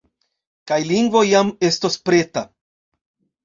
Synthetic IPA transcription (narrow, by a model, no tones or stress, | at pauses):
kajliŋɡvo̞jame̞stospɾe̞ta